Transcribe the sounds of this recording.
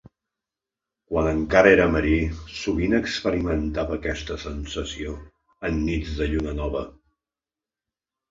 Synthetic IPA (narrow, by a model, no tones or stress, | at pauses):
kwanəŋkaɾəeɾəməɾisuβinəkspəɾimənt̪aβəːkɛst̪əsənsəsio | ənːid͡zðəʎunənɔβə